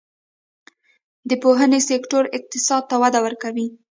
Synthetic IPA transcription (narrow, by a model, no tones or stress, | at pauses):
d̪əpoɦənesekʈoɾɪq̚t̪ɪsɑd̪̚t̪awad̪awəɾkawi